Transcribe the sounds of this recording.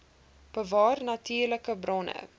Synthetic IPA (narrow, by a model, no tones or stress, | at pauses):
b̥əvɑːrnɐtiːrləkəbrɔnə̰